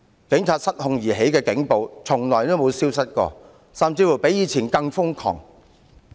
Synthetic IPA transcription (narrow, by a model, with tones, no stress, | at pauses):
kɪ˨˥ŋt͡sʰaː˧t̚sɐ˥t̚hʊ˨˧ŋjiː˨˩ɦe˨˥jkɛː˧kɪ˨˥ŋpo˨˧wt͡sʰʊ˨˩ŋlɔː˨˩jt̪o˥wmo˨˧wsiː˥wsɐ˥t̚kɔ̰ː˧ | sɐ˨mt͡siː˧fu˨˩wpe˨˥jiː˨˧t͡sʰiː˨˩nkɐ˧ŋfʊ˥ŋkʰɔ̰ː˨˩ŋ